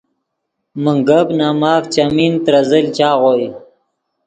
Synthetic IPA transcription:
məŋɡəbnaːmɑːkt͡ɕamint̪ɾazəlt͡ɕaːɣoːi

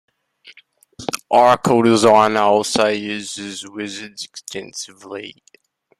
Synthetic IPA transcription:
ʔɑɹkʰoʊdɪzãɪ̃nɔlˠsoʊjʉzɪzwɪzɨdz̥ɨkstʰɛ̃nsɨvli

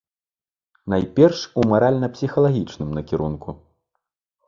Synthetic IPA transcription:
najpʲɛrʂumaɾalʲnɐpsʲixɐlˠaɣʲit͡ʂnɨmnɐkʲiɾunku

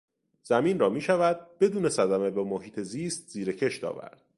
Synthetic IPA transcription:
z̥æmiːnrɒːmiːʃævæd̪̚b̥e̞d̪uːne̞sæd̪æme̞bemoɦiːt̪ʰe̞ziːst̪̚z̥iːɾecʰe̞ʃt̪ɒ̰ːvæ̰ɾd̪̥

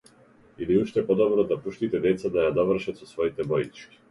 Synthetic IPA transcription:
iliuʃt̪ɛpɔd̪ɔbɾɔd̪apuʃt̪it̪ɛd̪ɛt̪sad̪ajad̪avərʃat̪sɔsvɔit̪ɛbɔjit͡ʃkʲi̥

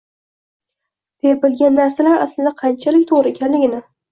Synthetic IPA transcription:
d̪̥epɪlɡʲanːaɾsalaɾa̰slɪd̪aqʰɑnt͡ʃʰalɪkʲt̪ʰoʁɾɪekʲʰanlɪɡʲɪna

